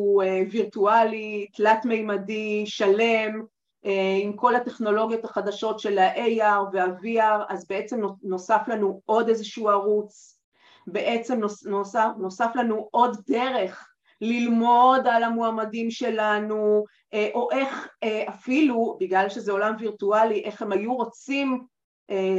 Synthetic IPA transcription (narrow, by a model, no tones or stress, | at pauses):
ueviʁtualitlatmejmadiʃale̞m | ʔeimko̞late̞χno̞lo̞ɡijo̞t̪haχad̪aʃo̞tʃe̞laʔejaʁveaviaʁazbee̞t͡se̞mnono̞saflanuo̞dezeʃuaʁut͡s | be̞ʔe̞t͡se̞mnonosano̞saflanuʔo̞d̪de̞ʁe̞χ | lilmo̞dalamoamadimʃe̞lanu | ʔeʔo̞ʔe̞χeafilubiɡlalʃezeo̞lamviʁtualiʔe̞χhe̞majuʁo̞t͡sim | ʔe